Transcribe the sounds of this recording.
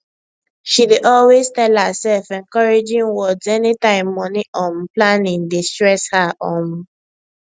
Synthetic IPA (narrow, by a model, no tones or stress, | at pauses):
ʃideʔɔlweztɛlhasɛlfɛ̃nkɔɹed͡ʒĩnwɔdzɛnitãɪ̃mːɔniʔɔ̃nplãnĩŋdestɹɛshaʔɔ̃m